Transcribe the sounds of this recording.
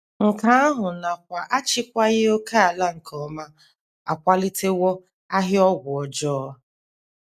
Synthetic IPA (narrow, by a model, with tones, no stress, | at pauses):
ŋ̩˨ka˨a˦ɦʊ˨na˨kʷa˨ʔa˦t͡ʃɪ˦kʷa˦ɣɪ˦o˦ka˦a˨la˦ŋ̩˨kʰɔ˨ma˦ | a˨kʷa˦lɪ˦te˦wɔ˦ | a˦ɦɪ˦ɔ˦ɡʷʊ˨ɔ˨d͡ʒɔː˦